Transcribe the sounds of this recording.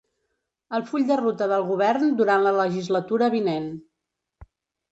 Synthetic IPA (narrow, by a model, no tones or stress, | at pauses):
əlˠfuʎʲd̪ərut̪əðəlˠɣuβ̞ɛɾnd̪uɾanlələʒizlət̪uɾəβinen